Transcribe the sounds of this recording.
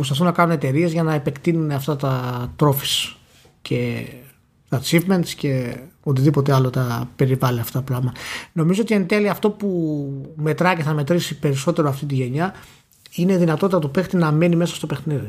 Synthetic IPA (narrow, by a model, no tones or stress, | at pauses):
ost̪ɐθunːɐkɐnune̞t̪e̞ɾie̞zʝɐnɐepe̞kt̪inuneɐft̪ɐt̪ɐt̪ɾo̞fi̥s | cʰe̞ | t̪ɐt͡sivme̞nt̪sce̞o̞t̪̬iðipo̞t̪eɐlo̞t̪ɐpe̞ɾivɐliɐft̪ɐplɐmɐno̞mizo̞o̞t̪ient̪e̞liɐːft̪o̞pume̞t̪ɾɐce̞θɐme̞t̪ɾisipe̞ɾiso̞t̪e̞ɾoɐft̪it̪̬iʝe̞ɲɐ | ine̞ðinɐt̪o̞t̪it̪ɐt̪upe̞xt̪inɐmenime̞sɐ̥st̪o̞pe̞xniði